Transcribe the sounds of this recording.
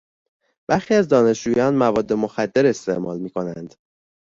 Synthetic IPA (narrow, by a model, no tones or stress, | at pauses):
b̥æɾxiːæzd̪ɒːne̞ʃd͡ʒuːjɒːnmævɒːd̪ːe̞mo̞xæd̪ːe̞ɾe̞st̪e̞ʔmɒ̰ːlmiːkʰo̞nænd̪̥